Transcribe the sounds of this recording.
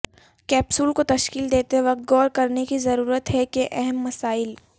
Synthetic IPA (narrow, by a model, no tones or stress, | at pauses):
kɛːpsuːlkot̪ɐʃkiːld̪eːt̪eʋɐq̚t̪̚ɡɔːɾkɐɾnekizɐɾuːɾət̪ɦɛkeʔɛɦɛmːɐsaːɪl